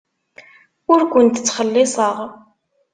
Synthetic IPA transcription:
ʊɾkʷʊnt̪ət͡sːχəlːɪsˤəʁ

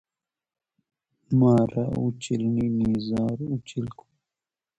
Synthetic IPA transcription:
maːɾa̰ut͡ʃilninizaːɾut͡ɕilku̥

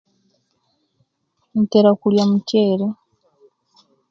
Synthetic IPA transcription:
n̩tɛɾakuljamucɛːɾɛ

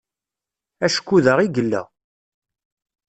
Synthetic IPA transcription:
æʃkʷːuðəʁiɡəlːæ̰

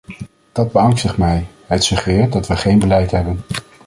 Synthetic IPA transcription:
d̥ɑd̚bəɑŋstəχmɛjɦətsɵχrɪːɹt̚dɑtʋəχejnbəlɛjtɦɛbən

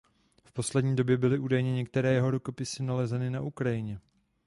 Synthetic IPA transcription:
fpo̞slɛdɲiːdo̞bjɛbɪlɪʔuːdajɲɛɲɛkt̪ɛɾɛːjɛɦo̞ɾuko̞pɪsɪnalɛzɛnɪnaʔukɾajɪɲɛ

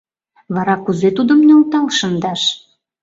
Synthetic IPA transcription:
βɑɾɑkuzet̪ud̪ə̆mneult̪ɑlʃə̆nd̪ɑʃ

